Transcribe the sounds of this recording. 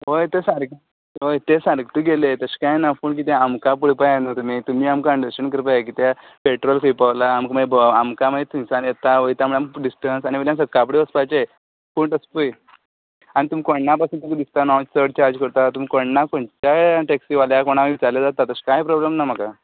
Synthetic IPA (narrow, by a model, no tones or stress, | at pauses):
ojt̪esaɾk | ɦojt̪esaɾkt̪uɡelet̪əskãjnapuːɳk̬it̪ẽamkapuɽpajanət̪um̤iːt̪um̤iːamkaəɳɖəɕəɳkəɾpajekiːt̪a | peʈɾɔlfijpaʋlaːmkməebʱamkaməet̪umsanjet̪aɦojt̪jam̤əɭamkɖisʈənsañiʋeljãsəkːapɽeəspat͡ɕe | puːɳʈəspuj | añit̪um̤iːkoɳːapasũnt̪umiːd̪ist̪anɔt͡ɕsəɽt͡ɕaɾd͡zkəɾt̪at̪um̤iːkoɳnakoɳt͡ɕaʈeksiʋaljakoɽ̃aʋit͡saɾljad͡zat̪ːat̪əɕkajpɾɔblamnam̤əka